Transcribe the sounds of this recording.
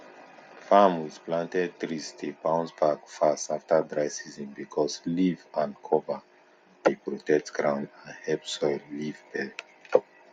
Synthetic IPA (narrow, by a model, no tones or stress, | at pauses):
famwiz̥plãntɛd̚tɹistʰepãʊ̃nsbakfastaftadɹaɪsizɔ̃nbikʰɔslivãnkʰɔva | depɹotɛk̚tɡ̥ɹãʊ̃ndãnhɛlpsɔɪlːivbɛ